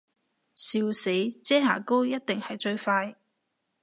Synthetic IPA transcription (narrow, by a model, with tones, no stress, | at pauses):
siː˧wse˨˥jt͡sɛː˥ŋa̰ː˨˩ko˥wjɐ˥t̚t̪ɪ˨ŋhɐ˨jt͡ʃɵ˧ɥfaː˧j